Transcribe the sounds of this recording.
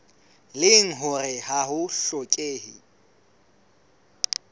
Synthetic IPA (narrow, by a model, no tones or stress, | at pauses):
lɪŋ̩ɦʊrɪhaɦʊɬɔkʼeːhɪ̰